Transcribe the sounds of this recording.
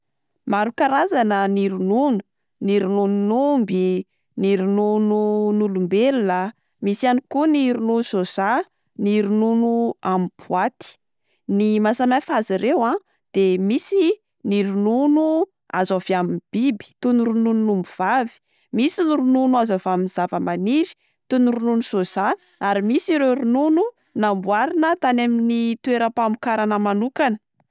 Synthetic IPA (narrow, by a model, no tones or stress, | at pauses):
maɾukaɾazanəniɾununu̥ | niɾunununumbi | niɾunununulumbelunə | misianikuniɾununusoza | niɾununuamibuat̪i̥ | nimasamafaziɾewã | d̪̥emisi | niɾununu | a̰zovaminb̥ibi̥t̪unuɾunununumbuv̥avi̥ | misiniɾununuazovaminz̥avəmaniɾi̥ | t̪unuɾununusosa | aɾimisiɾeɾununu | nambwaɾinət̪anaminit̪ueɾapamukaɾanəmanukanə